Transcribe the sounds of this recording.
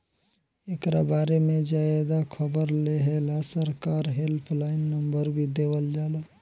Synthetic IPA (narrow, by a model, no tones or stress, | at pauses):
ekɾabaɾemed͡ʒaed̪akʰəbəɾleɦelasəɾkaɾɦelpʰlaɪnːəmbəɾbʱid̪ebəld͡ʒalə